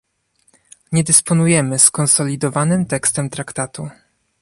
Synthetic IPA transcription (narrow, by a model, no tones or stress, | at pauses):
ɲɛd̪ɘspɔnujɛmɘskɔnsɔlʲid̪ɔvanɘmt̪ɛkst̪ɛmt̪ɾakt̪at̪u